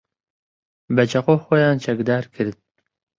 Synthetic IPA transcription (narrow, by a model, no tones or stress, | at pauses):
bɛt͡ʃʰɐqoːxojɑːnt͡ʃʰɛkd̪ɑːɾkʰɨɾd̪̚